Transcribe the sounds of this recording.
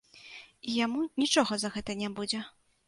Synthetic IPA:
ijamunʲit͡ʂɔɣɐzɐɣɛt̪ɐnʲabud͡zʲɛ

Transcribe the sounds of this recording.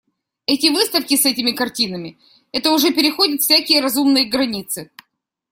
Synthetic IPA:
ɛtʲɪvɨst̪əfkʲɪsɛtʲɪmʲɪkɐrtʲinəmʲɪ | ɛt̪əʊʐɛpʲɪɾʲɪxodʲɪt̪fʲsʲækʲɪjəɾɐzumnɨjəɡɾɐnʲit̪sɨ

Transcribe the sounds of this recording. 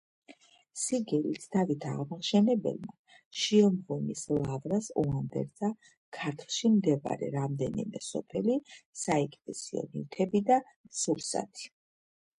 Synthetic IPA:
siɡɛlit̪ʰd̪avit̪ʰaʁmaχʃɛnɛbɛ̰lˠma | ʃiɛlˠmʁumislˠavɾasuand̪ɛ̰ɾza | kʰaɾt̪ʰlˠʃimd̪ɛva̰ɾɛ̰ɾamd̪ɛnimɛsɔpʰɛlisaɛkʼt̪ɛsiɔ̰niɾt̪ʰɛbid̪a | suɾsa̰t̪ʰi̥

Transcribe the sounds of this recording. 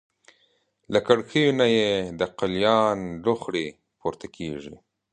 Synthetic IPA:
lakaɽxəjonajed̪əqaljɑnlʊxɽe | poɾt̪akʰeʐḭ

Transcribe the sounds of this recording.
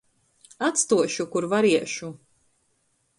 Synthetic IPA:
at̪st̪uɔʃukuɾvaɾiɛʃu

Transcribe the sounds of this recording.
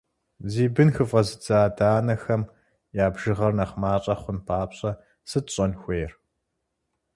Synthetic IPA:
ziːbɨnxɨfʼɐzɨd͡zaːdaːnɐxɐm | jaːbʒɨʁɐrnɐχmaːɕʼɐχʷʊnpʰaːpɕʼɐ | sɨtɕʼɐnxʷeːr

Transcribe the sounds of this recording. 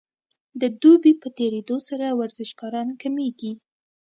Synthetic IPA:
d̪əd̪ubipət̪eɾed̪osaɾawaɾzɪʃɡɑɾɑnkameɡi

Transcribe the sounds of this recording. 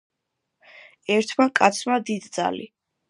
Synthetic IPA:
ɛɾt̪ʰmakʼat̪sʰmad̪id̪d̪za̰lḭ

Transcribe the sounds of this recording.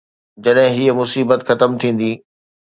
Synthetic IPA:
d͡ʑɐɗɦɪ̃ɦiːəmʊsiːbət̪xɐt̪əmt̪ʰĩːn̆d̪iː

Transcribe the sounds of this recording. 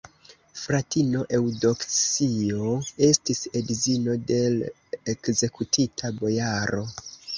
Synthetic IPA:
fɾatino̞ʔe̞wdo̞ksioe̞stisedizino̞de̞l | ekze̞kutʰitʰabo̞jaɾo̞

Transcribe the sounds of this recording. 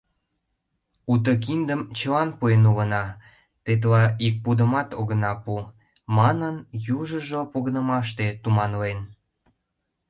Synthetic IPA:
ut̪̬ək̬ind̪əmt͡ɕəlɑnpuenulənɑ | t̪et̪̬lɑik̚pud̪əmɑt̪oɣənɑpu | mɑnənjuʒəʒopoɣənəmɑʃt̪et̪umɑnlen

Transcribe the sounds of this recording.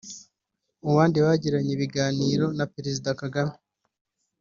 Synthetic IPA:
uβaːndiwaɟiɾaɲeβiɡaːniːɾo̞napeɾezidakaɡame

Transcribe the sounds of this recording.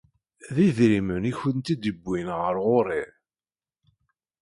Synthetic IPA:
ðiðɾiməniçənt̪id̪əbːinʁəɾʁʊɾˤiɾ

